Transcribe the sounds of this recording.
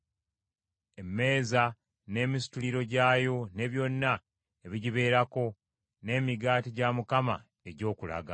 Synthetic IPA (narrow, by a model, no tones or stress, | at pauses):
e̞mːe̞ːza | ne̞ːmisi̥tuliɾo̞ɟaːjo̞ne̞βjo̞nːa | e̞βiɟiβe̞ːɾako̞ | ne̞ːmiɡaːtiɟamukama̰ | e̞ɟo̞ːkula̰ɡa̰